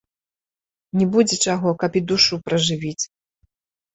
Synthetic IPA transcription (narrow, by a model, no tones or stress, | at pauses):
nʲɛbud͡zʲɛt͡ʂaɣɔkɐpid̪uʂupɾɐʐɨvʲit͡sʲ